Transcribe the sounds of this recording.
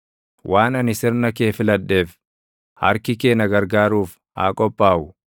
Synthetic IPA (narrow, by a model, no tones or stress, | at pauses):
wʔaːnɐnɪsɪɾnɐkeːfɪlɐᶑːe̞ːf | hɐ̰ɾkɪke̞ːnɐɡɐɾɡaːɾuːf | a̰ːkʼɔpʼːaːʔʊ